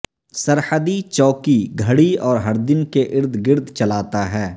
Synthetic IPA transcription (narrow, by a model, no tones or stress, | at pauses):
sɐɾhəd̪it͡ʃɔːkiɡʱɐɽiɔːɾɦɐɾd̪ɪnkeʔɪɾd̪ʱɡɪɾd̪ʱt͡ʃɐlaːt̪aɦɛː